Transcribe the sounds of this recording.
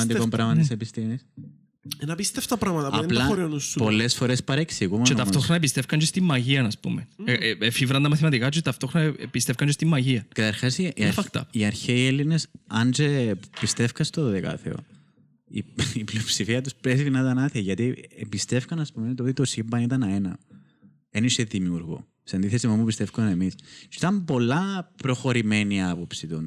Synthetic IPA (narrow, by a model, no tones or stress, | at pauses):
ɐd̪ikombɾɐmɐt̪isepist̪imis | enɐpist̪eft̪ɐpɾɐɣmɐt̪ɐɐlɐoɾinuspo̞lːesfo̞ɾespɐɾeksiɣumɐet̪ɐft̪o̞xɾonɐpist̪efkɐɲd͡ʒost̪imːɐʝiɐnɐspṵmeefivɾɐnt̪ɐmɐθimɐt̪ikɐt̪ust̪ɐft̪o̞xɾonɐpist̪efkɐnɲd͡ʒest̪imːɐʝiɐkɐt̪ɐɾxɐsifɐkt̪ɐ̰iɐɾçeielːinesɐnd͡ʒepist̪efkɐst̪oððekɐ̰θḛo̰ | ḭipliopsifiɐt̪uspɾesiðinɐt̪ɐnɐθeʝɐt̪iebist̪efkɐnɐspumet̪oot̪it̪o̞simbɐnit̪ɐnɐenɐ̰ | eniseðimiuɾɣo̰ | seɐnd̪iθesimomupist̪efkuɐnemissit̪ɐmpo̞lːɐpɾo̞xo̞ɾimeniɐpo̞psit̪un